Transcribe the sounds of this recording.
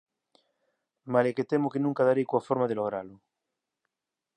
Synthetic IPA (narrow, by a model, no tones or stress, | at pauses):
maleket̪emokenũŋkaðaɾejkwafoɾmaðeloɣ̞ɾalo